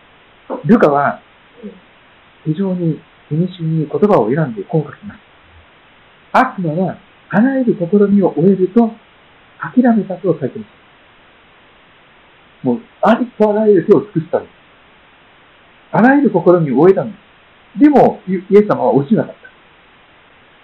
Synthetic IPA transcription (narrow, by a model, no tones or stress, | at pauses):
ɾokaβa | çiʑo̞ːɲ̟i | imʲiɕɨɲ̟iko̞t̪o̞bao̞e̞ɾãnd̪e̞ko̞ːkakʲimasɨ̥ | akɯ̟maβa | aɾaeɾɯ̟ko̞ko̞ɾo̞mʲio̞ʔoe̞ɾɯ̟t̪o̞ | akʲiɾame̞t̪at̪o̞ːsait̪e̞maɕt̪ḁ | moː | aɾʲit̪o̞aɾaeɾɯ̟t̪e̞o̞t͡sɨ̥kɯ̟ɕi̥t̪ad̪e | aɾaeɾɯ̟ko̞ko̞ɾo̞ɲ̟ʲiooe̞t̪ãnd̪e | d̪e̞mo̞ie̞sːamaβa̰oʑinak̪at̪ːḁ